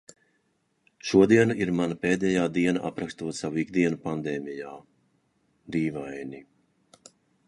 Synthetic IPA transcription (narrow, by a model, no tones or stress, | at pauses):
ʃuɔd̪iɛnaiɾmanapeːd̪ɛjaːd̪iɛnaʔa̰pɾakst̪uɔt̪savuiɡd̪iɛnupand̪ɛːmijaː | d̪iːvajni